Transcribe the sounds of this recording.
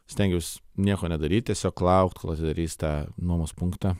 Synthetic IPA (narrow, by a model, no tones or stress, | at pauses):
sʲt̪ʲɛŋɡʲjuʊsnʲiɛkoːnʲɛd̪ɐɾʲiːt̪̚ʲt̪ʲɛsʲoːkːlˠɑʊkt̪kolˠɐt̪ʲɪd̪ɐɾʲiːst̪ɑːnuɔmoːspuŋkt̪ɑ